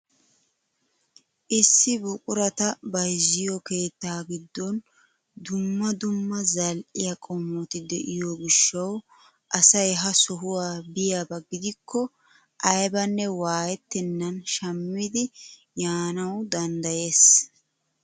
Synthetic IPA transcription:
ʔɪsːɪbʊkʼʊɾɐt̪ɐbɐjzɪjɔke̞ːt̪ːaːɡɪd̪ːɔn | d̪ʊmːɐd̪ʊmːɐzɐlʔɪjɐkʼɔmːɔt̪ɪd̪ɛʔɪjɔɡɪʃːɐw | ʔɐsɐjɦɐsɔɦʊwaːbɪjabɐɡɪd̪ɪkʰːɔ | ʔɐjbɐnːɛwaːjɛt̪ːɪnːɐnʃɐmːɪd̪ɪ | jaːnɐwd̪ɐnd̪ɐje̞ːs

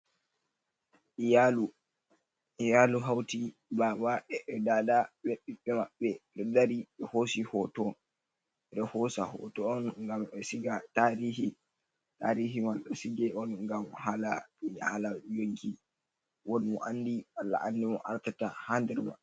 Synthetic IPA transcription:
alu | ijaluɦawtibabaʔɛʔɛdaːdaɓɛɓiɓɛmaɓːɛɗɔdaɾiɓɛhosihɔtɔ | ɗɛhɔsa̰hɔ̰tɔːnŋɡamɛsiɡataɾihi | taɾiɦimaɗɔsiɡɛɔnɡamhalaɓihalajoŋɡi | wɔnmɔ̰ʔandialːa̰ʔandimɔʔaɾtatahandɛɾma̰ɛ

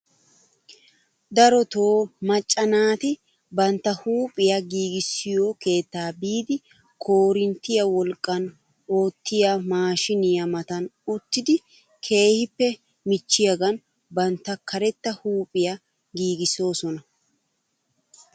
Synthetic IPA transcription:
d̪ɐɾɔt̪o̞ːmɐt͡ʃʼːɐnaːt̪ɪ | bɐnt̪ːɐhuːpʼɪjɐɡiːɡɪsːɪjoke̞ːt̪ːaːbiːd̪ɪ | kʰoːɾɪnt̪ɪjɐwɔlkʼːɐn | o̞ːt̪ːɪjɐmaːʃɪnɪjɐmɐt̪ɐnʊt̪ːɪd̪ɪ | kʰe̞ːhɪpːɛ | mɪt͡ʃːɪjɐɡɐn | bɐnt̪ːɐkʰɐɾɛt̪ːɐhuːpʼɪjɐ | ɡiːɡɪso̞ːsɔnɐ

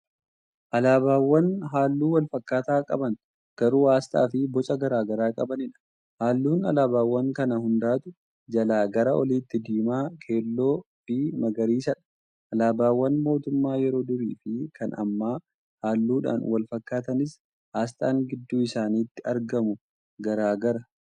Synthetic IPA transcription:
ʔɐlaːbaːwːɐnɦaːlːuːwɐlfɐkːaːt̪aːkʼɐbɐn | ɡ̥ɐɾuːhaːst̪ʼa̰ːfɪbɔt͡ʃʼɐɡɐɾaːɡɐɾaːkʼɐbɐnɪᶑɐ̥ | haːlːuːnɐ̰laːbaːwːɐŋkɐnɐhʊnd̪aːt̪ʊ | d͡ʒɐlaːɡɐɾɐʔɔliːt̪ːɪd̪iːmaːkʰe̞ːlːo̞ː | b̥iːmɐɡɐɾiːsɐᶑɐ̥ | ʔɐlaːbaːwːɐnmo̞ːt̪ʊmːaːjɛɾo̞ːd̪ʊɾiːfɪkʰɐnɐ̰mːaː | haːlːuːᶑa̰ːnwɐlfɐkːaːt̪ɐnɪs | haːst̪ʼaːŋɡɪd̪ːuːɪsaːniːt̪ːɪɐɾɡɐmʊ | ɡɐɾaːɡɐɾɐ

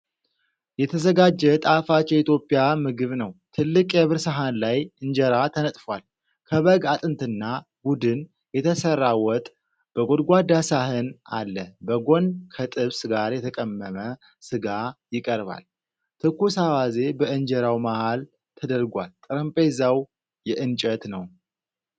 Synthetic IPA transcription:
jɛt̪ʰəzəɡad͡ʒːɛt̪ʼafat͡ʃːjɛit̪ʰjo̞pʼijamɨɡɨβnəwt̪ʰɨlːɨkʼjɛβɨɾsəɦanlajʔɨnd͡ʒɛɾat̪ʰənət̪ʼfwal | kʰəβəɡat̪ʼɨnt̪ʰɨnːa | bud̪ɨn | jɛt̪ʰəsərːawɔt̪ʼ | b̥əɡo̞d̪ɡʷad̪asahɨna̰lːəbəɡo̞nkʰət̪ʼɨβsɡaɾjɛt̪ʰəkʼəmːəmə | sɨɡajɪkʼəɾba̰l | t̪ʰɨkːusawaze̞bəɨnd͡ʒɛɾawmahal | t̪ʰəd̪əɾɡʷalt̪ʼɨɾəmpʼezaw | jɛʔɨnt͡ʃʼət̪nəw

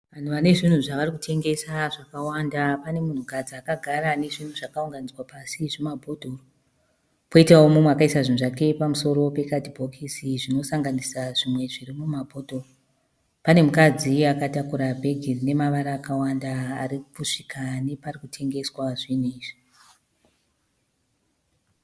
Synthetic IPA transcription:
ʋan̤uʋane̞ʐin̤uʐaʋarikutʰe̞ŋɡe̞saʐakawandapane̞mun̤ukad͡ziakaɡʱaɾane̞ʐin̤uʐakauŋɡanid͡zwapasiʐimabʱodʱoro | po̞itaomumweakaisaʐinuʐake̞pamuso̞ɾo̞pe̞kadʱibʱokʰisiʐino̞saŋɡanisaʐimwe̞ʐirimumabʱo̞dʱoro | pane̞mukad͡ziakatakuɾabʱe̞ɡʱirine̞maʋaɾaːkawandaːɾikuʂikʰane̞parikutʰe̞ŋɡe̞swaʐiniːʐi

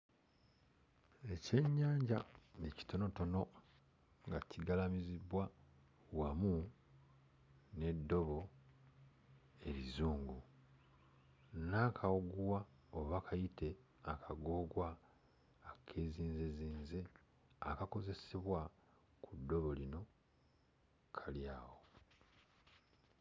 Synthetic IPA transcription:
e̞ce̞ɲːaːɲɟaneci̥to̞no̞to̞no̞ | ŋɡaciɡalamizibwa | wamu | ne̞dːo̞βo̞ | e̞ɾizuːŋɡu | nakʰawoɡuwa | oβakʰajitʰe̞ | akʰaɡo̞ːɡwaː | kʰe̞ːziːnzeziːnze̞ | akako̞ze̞seβwa | kʰudːo̞βo̞lino̞ | kʰaljaːwo̞

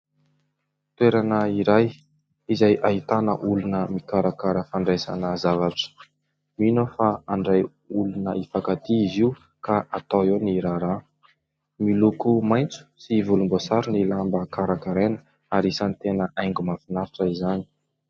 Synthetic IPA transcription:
t̪weɾanəiɾaj | izajʔaɦit̪anə̰ʔulunəmikaɾakaɾəfaɳɖ͡ʐesa̰nəzavaʈ͡ʂə̥ | minofaaɳɖ͡ʐaj | ulunəifakat̪iiziu | kaʔat̪aeniɾaɾa | milukumajnt͡su̥sivulumbosaɾunilambəkaɾakaɾenə̥ | aɾisanit̪enəʔajŋɡumafinaɾiʈ͡ʂəizani̥

